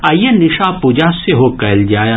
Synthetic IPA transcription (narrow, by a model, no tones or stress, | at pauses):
ɐjenɪʃapuːd͡ʒaseɦokɐld͡ʒaːja